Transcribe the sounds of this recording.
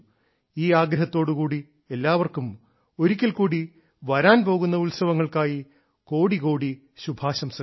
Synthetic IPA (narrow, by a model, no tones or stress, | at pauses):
iːaːɡɾɐɦɐt̪ːo̞ːɽukuːɽi | e̞lːaːʋɐrkum | o̞ɾukʲːɐlkuːɽi | ʋɐɾaːnpo̞ːɣunːɐulsɐʋɐŋːɐɭkaːji | ko̞ːɽiko̞ːɽi | ɕubʱaːɕɐms